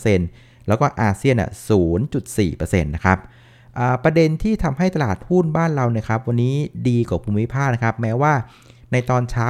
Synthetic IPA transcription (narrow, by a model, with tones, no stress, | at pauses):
se˧n | lɛː˦˥wkɔː˥˩ʔaː˧si˥˩ənːḭ˥˩suː˩˦nt͡ɕu˨˩t̪̚sḭː˨˩pɤ˧sḛ˧nːa˦˥kʰa˦˥p̚ | ʔaː˨˩pɾa˧de˧nt̪ʰiː˥˩t̪ʰa˧mɦa˥˩jt̪a˧laː˨˩t̪̚hu˥˩nbaː˥˩nɾa˧wni˥˩ɐkʰa˦˥p̚wa˧nːiː˦˥diː˧kaː˨˩pʰuː˧mːi˦˥pʰaː˥˩k̚na˥kʰa˦˥p̚mɛː˦˥waː˥˩ | na˧jt̪ɔː˧nt͡ɕʰaː˦˥